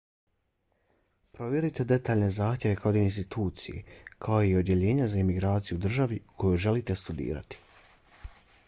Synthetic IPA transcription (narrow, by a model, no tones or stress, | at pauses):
pɾo̞ʋje̞ɾit̪e̞d̪e̞t̪aːʎne̞zaːxt̪je̞ʋe̞kʰad̪iinst̪it̪uːt̪sijḛkʰaoiod̪je̞ʎe̞ːɲazaimiɡɾaːt̪sijud̪r̩ʒaʋikʰo̞juʒe̞lit̪e̞st̪ud̪ḭːɾa̰t̪i̥